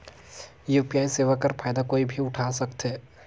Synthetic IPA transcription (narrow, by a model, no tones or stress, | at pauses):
jupijaːiseːʋakəɾfʰaːjd̪akoːibʱiʊʈʰaːsɐkt̪ɦɛː